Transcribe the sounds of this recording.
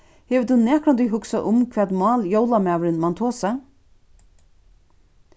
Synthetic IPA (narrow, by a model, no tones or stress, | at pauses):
hɛvɪt̪unɛːkɾant̪ʏɦʊksaʔʊmkʰvɛːt̪mɑːljoːwlamaːʋɾɪnmant̪ʰoːsa